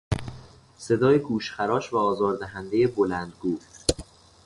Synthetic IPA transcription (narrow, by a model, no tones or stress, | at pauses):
se̞d̪ɒːjeɡuːʃxæɾɒːʃvæɒːzɒːɾd̪æɦænd̪e̞jebolænd̪ɡuːf